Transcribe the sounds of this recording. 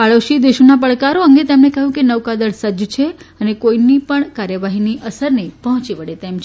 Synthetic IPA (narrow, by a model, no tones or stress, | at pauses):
paɭoʃid̪eʃonap̬əɭkaɾoəŋɡet̪emnekəɦjũkenəʋkad̪əɭsəd͡ʒt͡ʃʰeənekoinipəɳkaɾjəʋaɦiniʔəsəɾnipəɦɔ̃t͡ʃiʋəɽet̪emt͡ʃʰ